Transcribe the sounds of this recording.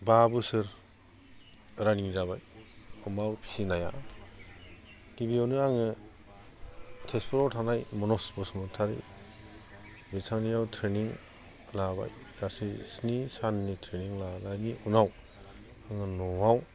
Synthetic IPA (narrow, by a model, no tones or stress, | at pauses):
babɯsɯɾ | ɾaniŋzaβajɔmawpʰi̥sinaja̰ | ɡibiawnɯaŋɯ | tʰespʰɔɾɔtʰanajmɔnɔsbɯsɯmɯtʰaɾḭ | bitʰaŋnijawtʰɾeniŋ | laba̰j | ɾasisnisanːitʰɾeniŋlalaniunaw | aŋɯnɔwaw